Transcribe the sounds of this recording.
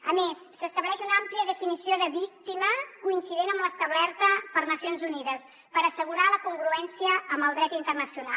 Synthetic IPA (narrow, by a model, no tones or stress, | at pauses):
ə̰mesːəst̪əβlɛʃunampliəðəfinisioðəβik̚t̪iməkuinsiðenəmbləst̪əβlɛɾt̪əpəɾnəsionzuniðəs | pəɾəsəɣ̞uɾaləkuŋɡɾuɛnsiəːmbəlˠd̪ɾɛt̪int̪ərnəsiuna